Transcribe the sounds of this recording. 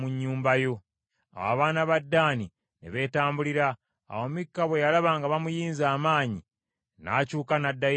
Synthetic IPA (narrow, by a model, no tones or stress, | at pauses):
muɲːuːmbajo̞ | a̰wa̰βaːnaβadːaːni | nḛβe̞ːtaːmbuliɾa̰ː | womikːaβwe̞jalaβaːŋɡaβamujiːnzaːmaːɲi | na̰ːcuːkanadːaj